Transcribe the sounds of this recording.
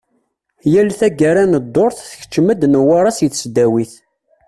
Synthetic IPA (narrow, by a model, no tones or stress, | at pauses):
jælθæɡaɾænəd̪ˤːoɾˤθθəç̥t͡ʃːməd̪nəwaɾˤɑsjəθsd̪æwiθ